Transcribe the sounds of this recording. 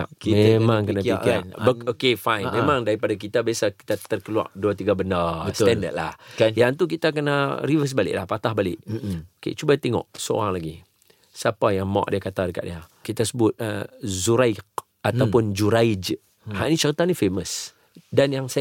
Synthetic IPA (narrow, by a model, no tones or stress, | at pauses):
immãŋkənaanbokefajnmẽmãŋdaɾipadak̬it̪abiasaki̥t̪at̪ərkəlua̰ʔ̚duat̪iɡabənaəst̪ɛndə̰t̪̚la̰hkjaŋt̪uk̬it̪ak̬ənaɾivəs̬balɪ̰ʔlahpat̪ahbalɪʔokḛt͡ʃubat̪eŋɔ̰ʔsəo̰ɾaŋlaɡi | sapajaŋma̰ʔdiakat̪adəka̰ʔdiakit̪asəbʊt̪̚zuɾaɪk̚ | at̪awpʊnd͡ʒuɾaid͡ʒ | haʔnit͡ʃəɾit̪anifeməs | danjaŋsa